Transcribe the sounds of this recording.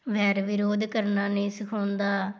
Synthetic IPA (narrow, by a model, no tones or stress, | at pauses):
ʋɛːɾʋɪɾoːd̪kəɾnaːneːsɪkʰoːnd̪aː